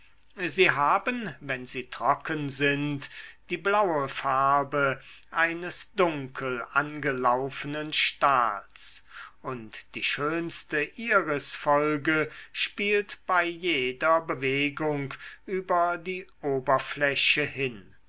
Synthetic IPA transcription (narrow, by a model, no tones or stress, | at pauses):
ziːɦaːbənvɛnziːtʁ̥ɔkənzɪntd̥iːblawəfaɐbə | ʔaɪnəsd̥ʊŋkʰəlanɡəlaʊfənənʃta̰ːlsʔʊntd̥iːʃøːnstəʔiːʁəsfɔlɡəʃpiːltb̥aɪjeːdɐbəveːɡʊŋkʔyːbɐdiːʔoːbɐflɛɕəhɪn